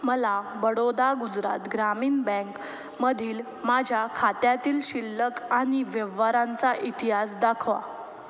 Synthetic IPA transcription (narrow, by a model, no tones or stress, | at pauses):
məlaʋəɽod̪aɡud͡zɾa̰t̪ɡɾamiːnbɛ̃ŋk | məd̪ʱiːl | mad͡ʑʱjakʰat̪jat̪iːlɕilːəkaɽ̃iʋəʋaɾãnt͡saʔit̪iɦasd̪akʰʋa̰